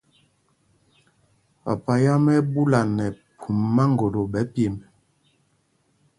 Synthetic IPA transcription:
pa˨pa˨ja˦mɛ˦bu˦la˨nɛ˨pʰu˨mːa˦ŋɡo˨lo˨bɛ˨˦pe˨mɛ˨

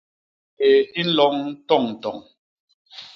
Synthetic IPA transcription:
e˨i˦n̩˦lɔ˦ŋn̩˦tɔ˦˨ŋn̩˨tɔ̰˨ŋ

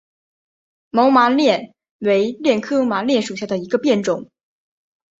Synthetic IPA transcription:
mo˧˥ʊma˧˥ljɛ˥˩n | we˧˥ɪljɛ˥˩nkʰɤ˥ma˧˥ljɛ˥˩nʂu˨˩ɕja˥˩d̪ə˩i˧˥ɡə˧pjɛ˥˩nʈ͡ʂʊ˨˩˦ŋ

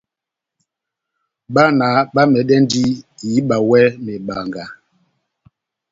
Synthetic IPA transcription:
ɓa˦na˨˦ɓa˦mɛ˨ɗɛ˦n˦di˦i˨˦ɓa˨wɛ˦me˨ɓa˨ŋɡa˨

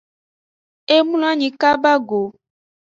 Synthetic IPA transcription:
e˦mũ˦la˦ɲĩ˨ka˦ba˦ɡo˨

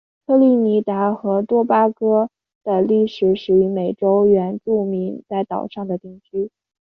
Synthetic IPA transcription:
kʰɤ˥˧li˥˩ni˧˥t̪a˧˥xɤ˧˥t̪wɔ˥pa˥kɤ˥ | d̪̥ə˨li˥˩ʂɻ̩˨˩˥ʂɻ̩u˨˩y˧˥me˨˩ɪʈ͡ʂo˥ʊɥɛ˧˥nʈ͡ʂu˥˩mi˧˥ŋt͡sa˥˩ɪt̪ɑ˨˩ʊʂɑ˥˩ŋd̪ə˩t̪i˥˩ŋt͡ɕʰy˥

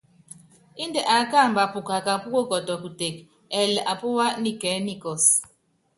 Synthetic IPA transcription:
i˦ndɛ˨ʔa˨˦ka˦˨mba˨pu˨ka˨ka˨pu˦ko˦kɔ˨tɔ˨ku˨te˨k | ɛ˨la˨pu˦wa˦ni˨kɛ˨˦ni˦kɔ˨s

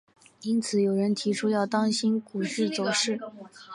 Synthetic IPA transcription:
i˥nt͡sʰɹ̩˨˩jo˨˩ʊɻə˧˥nt̪ʰi˧˥ʈ͡ʂʰu˥jɑ˥˩ʊt̪ɑ˥ŋɕi˥nku˨˩ʂɻ̩˥˩t͡so˨˩ʊʂɻ̩˥˩

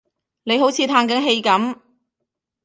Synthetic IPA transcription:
ne˨˧jɦo˨˥wt͡sʰiː˨˧t̪ʰaː˧nkɐ˨˥nɦe˧jkɐ˨˥m

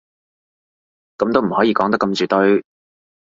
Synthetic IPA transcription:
kɐ˨˧mt̪o˥wm̩˨˩hɔː˨˥jiː˧kɔː˨˥ŋt̪ɐ˥kːɐ˧mt͡ʃyː˨˩t̪ɵ˥ɥ

